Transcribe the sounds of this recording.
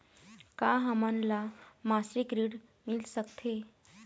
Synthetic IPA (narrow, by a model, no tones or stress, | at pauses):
kaɦamanlamasɾikɾiːɽ | milsəkt̪ʰe